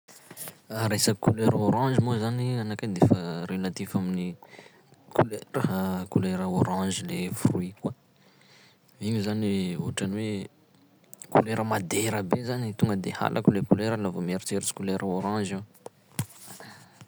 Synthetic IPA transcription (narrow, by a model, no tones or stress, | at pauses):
aɾesəkuleɾoɾɑ̃ʒimozanianakad̪efəɾelat̪ifamini | kuleɾəkuleɾəoɾɑ̃ʒilefruikwa | viɲuzaniuaʈ͡ʂaniwe | kuleɾəmad̪eɾəbezanit̪uŋɡəd̪eha̰lʔa̰kulekuleɾəlavomeɾt͡seɾit͡si̥kuleɾʔəoɾɑ̃ʒew